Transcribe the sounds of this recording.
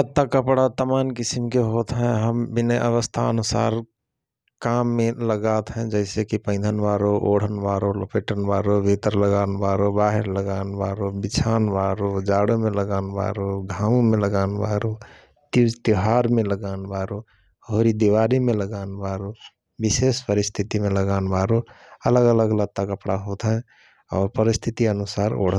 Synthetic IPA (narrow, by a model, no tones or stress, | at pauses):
ət̪ːakəpɽat̪əmaːnkisimkeɦoːt̪ɦɛ̃ɦəmbinəʔəʋəst̪ʰa̰ənusa̰ːɾ | kamːeləɡat̪ɦɛ̃d͡ʒəɪsekipə̃ɪ̃d̪ʱənbaːɾoʔoɽ̤ənbaːɾolopʰeːʈənbaːɾoʋet̪əɾləɡaːnbaːɾobaːɦeɾləɡaːnbaɾobit͡ʃʰaːnbaːɾod͡ʒaɽomeləɡanba̰ɾoɡʱamumeləɡanbaɾo | t̪id͡ʒt̪iɦaɾmeləɡanbaɾo | hoɾid̪iʋaɾimeləɡanbaɾo | bisespəɾist̪ʰit̪imeləɡanbaɾoələɡələɡələɡ̚t̪akəpɽaɦot̪ʰɦɛ̃ | ɔ̰ːɾpəɾist̪ʰit̪iənusaɾo̰ɽ̤ə